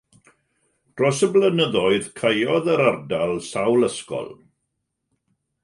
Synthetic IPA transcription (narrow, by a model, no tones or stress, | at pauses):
d̥rɔsəblənəðɔɨð̥kʰajɔðəɾardalˠsawləskɔ̰lˠ